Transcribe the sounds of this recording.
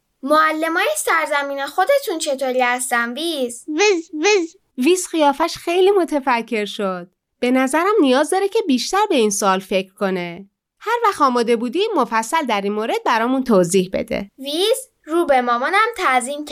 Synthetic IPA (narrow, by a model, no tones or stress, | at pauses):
moælːe̞mɒːjesæɾzæmiːnexod̪e̞t̪ʰunt͡ʃʰe̞t̪ʰoːɾiːhæst̪æmvizvizviz | viːzxijɒːfæʃxejliːmo̞t̪ʰefæcʰːe̞ɾʃod̪̥̚ | b̥e̞næzæɾæmnijɒːzd̪ɒːɾecʰe̞biːʃt̪æɾbe̞iːnsoɒːlfecʰɾ̥ko̞ne̞ | hæɾvæxt̪ɒːmɒːd̪e̞buːd̪iːmofæsːæld̪æɾinmoːɾe̞d̪̚bæɾɒːmunt̪ʰoːziːhbḛd̪ḛviz | ɾuːbemɒːmɔnæmt̪ʰæziːmcʰ